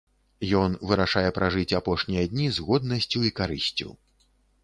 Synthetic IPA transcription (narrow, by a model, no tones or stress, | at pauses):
jɔnvɨɾaʂajɛpɾaʐɨt͡sʲapɔʂnʲijɐd̪ʲnʲizɣɔd̪̚nɐsʲt͡sʲuikaɾɨsʲt͡sʲṵ